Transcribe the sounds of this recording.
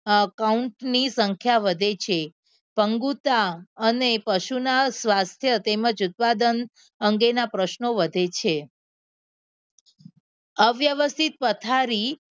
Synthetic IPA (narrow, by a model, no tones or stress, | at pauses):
kauɳʈnisəŋkʰjaʋəd̪ʱet͡ʃʰe | pəŋɡut̪aənepəʃunasʋast̪ʰjət̪eməd͡ʒut̪̚pad̪ən | əŋɡenapɾəʃnoʋəd̪ʱet͡ʃʰe | əʋjəʋəst̪ʰit̪̚pət̪ʰaɾi